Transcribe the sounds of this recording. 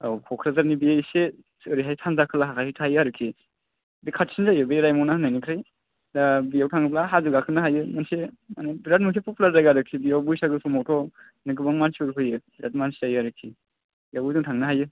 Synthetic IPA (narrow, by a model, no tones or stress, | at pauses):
awkʰɔkʰɾazaɾnibijaise | sɯɾiɦajsʰanzakʰɯlaɦakʰasitʰajɯaɾɯkʰi | bikʰatsinzajɯbeɾajmɔwnaanajnikʰɾaj | dabijawtʰaŋɡɯplaɦazuɡakʰɯnaɦajɯmansemanabiɾat̚mɯtʰepɔpulaɾzajɡaɾɯkʰibijawbujsaɡɯsʰɔmɔwtʰɔ | nɯɡɯbaŋmansuɾɦɯjɯbɾat̚mansizajɯaɾɯkʰi | bijawduŋtʰaŋnɯɦajɯ